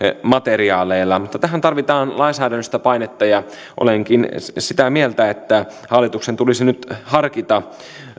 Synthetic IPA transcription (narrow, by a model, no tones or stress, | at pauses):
mɑt̪eriɑːleilːɑmut̪ːɑt̪æɦænt̪ɑrʋit̪ɑːnlɑinsæːdænːøst̪æpɑinet̪ːɑjɑ | ʔo̰leŋkinsit̪æmielt̪æet̪ːæ | hɑlːit̪uksent̪ulisinyt̪hɑrkit̪ɑ